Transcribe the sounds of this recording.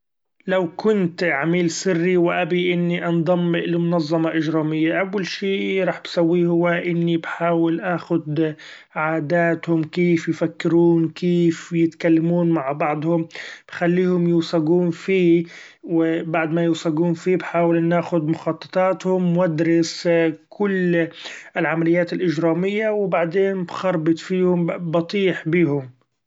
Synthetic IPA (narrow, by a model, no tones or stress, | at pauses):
lawkʊnt̪ʕamiːlsɪrːiwɪʔabiʔɪnːiʔɑnd̪ˤɑmːɪʔlmʊnɑzˤːɑmɑʔɪd͡ʒɾɑːmɪjːaʔawːalʃiːɾˤɑːħbsawːiːhʊwːaʔɪnːibħaːwɪlʔaːxʊd̪ | ʕaːd̪aːt̪hʊmkeːfjfakːɪɾuːnkeːfjɪt̪kalːamuːnmaʕbɑʕd̪ˤhʊmb̥xalːiːhʊmjʊwsaɡuːnfiː | wɪbaʕd̪majʊwsɑɡuːnfiːbħaːwɪlnːaːxʊd̪mʊxɑt̪ˤːɑ̥t̪ˤɑːt̪hʊmwad̪ɾɪskʰʊlː | ɪlʕamalɪjːaːt̪ɪlʔɪd͡ʒɾɑːmɪjːawɪbaʕd̪eːnbxɑɾˤbɨt̪ˤfiːhʊmbɑt̪ˤiːħbiːɦʊm